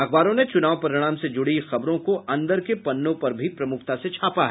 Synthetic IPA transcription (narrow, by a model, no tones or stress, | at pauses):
ɐxbaːɾõnet͡ʃʊnaːʋpɐɾɪɽ̃aːmsed͡ʒʊɽixɐbɾõkoɐ̃nd̪əɾkepɐnːõpɐɾbʱipɾɐmʊkʰt̪aset͡ʃʰaːpaɦɛː